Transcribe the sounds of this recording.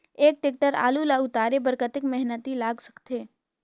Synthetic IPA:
eːk̚ʈek̚ʈəɾa̰ːlulaʊt̪aːɾebəɾkət̪ɪkmɛɦnət̪ilaːɡsə̥kt̪eː

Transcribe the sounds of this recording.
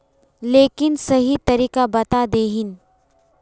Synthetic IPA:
leːkɪnsɐɦit̪ɐɾiːkabɐt̪ad̪eːɦɪn

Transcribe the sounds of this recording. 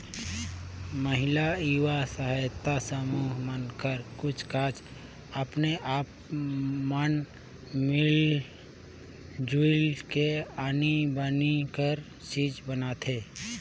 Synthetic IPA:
məɦɪlaiwasəɦajt̪ːasəmuːɦmənkəɾkʊt͡ʃʰkaːt͡ʃʰ | əpneʔaːp̚ | mən | mɪl | d͡ʒulkeaːnibənikəɾ | t͡ʃiːd͡ʒbənat̪ʰeː

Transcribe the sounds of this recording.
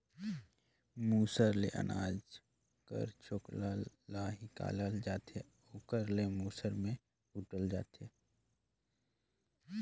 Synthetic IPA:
muːsəɾlḛʔə̰naːd͡ʒ | kə̰ɾt͡ʃʰokla | laːɦika̰ːləld͡ʒaːt̪e | oːkəɾlemuːsəɾmẽ | huːʈəld͡ʒa̰ːt̪ʰeː

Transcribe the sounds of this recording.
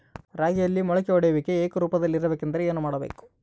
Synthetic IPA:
ɾaːɡɐjɐlːimɔɭɐkeɔɽɐjɐʋikːeeːkɐɾuːpɐd̪ɐlːiɾɐbeːkːend̪ɐɾeeːnumaːɽɐbḛːku̥

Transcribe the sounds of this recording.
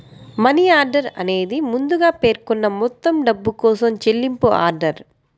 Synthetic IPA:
mɐniːaːɾɖɐɾɐ̰ne̞ːd̪imund̪uɡaːpe̞ːɾkɔnːɐmɔt̪ːɐmɖɐbːukɔːsɐmt͡ʃelːimpua̰ːɾɖɐɾ

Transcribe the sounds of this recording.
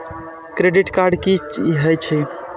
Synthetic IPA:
kɾeɖiʈkaɾɖkit͡ʃɦəjt͡ʃʰɛ

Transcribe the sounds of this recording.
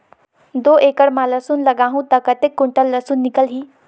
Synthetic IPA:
d̪oʔekəɽmaləsuːnləɡãɦũt̪əkət̪ekːuɳʈəlːəsuːnːikəlɦiː

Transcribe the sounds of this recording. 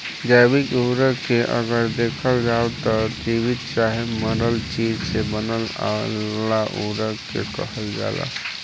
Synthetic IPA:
d͡ʒaːbɪkuːɾəkeʔɐ̰ɡəɾd̪eːkʰəld͡ʒaːot̪ɔd͡ʒiwɪd̪̚t͡ʃaːɦeməɾəlt͡ʃiːd͡ʒsebənəla̰laʔuːɾəkḛkə̰ɦəld͡ʒa̰ːla̰ː

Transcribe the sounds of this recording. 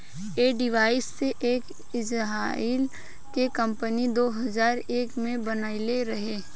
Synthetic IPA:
eːɖɪʋaːɪsːeʔeːk | ɪd͡ʒɦaːɪl | kekɐ̃mpənid̪oːɦɐzaːɾeːkmẽbɐnaːileɾɐɦeː

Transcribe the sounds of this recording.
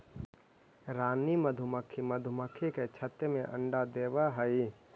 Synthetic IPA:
ɾaːniməd̪ʱʊməkʰːiməd̪ʱʊməkʰːiket͡ʃʰət̪ːəmẽʔə̰̃ɳɖad̪eːʋaɦəi

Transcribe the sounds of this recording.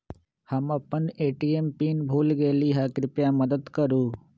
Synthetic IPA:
həmɐpəneːʈiːempiːnbʱuːlɡeːliːɦaːkɾɪpjaməd̪əd̪kəɾuː

